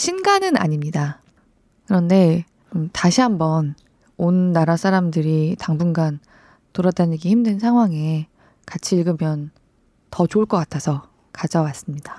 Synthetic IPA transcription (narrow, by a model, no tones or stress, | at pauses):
ɕʰinɡanɯna̰ɲimɲida | kɯɾʌnde̞ | mtaɕʰiɦambʌn | onːaɾas͈ʰaɾamdɯɾitaŋbunɡan | toɾʌtdaɲiɡeçimdɯns̬ʰaŋɦwaŋe̞ | kat͡ɕʰiːɭɡɯmjʌn | tʌt͡ɕoɭk͈ʌk͈atʰasʰʌ | kad͡ʑawas͈ɯmɲid̥a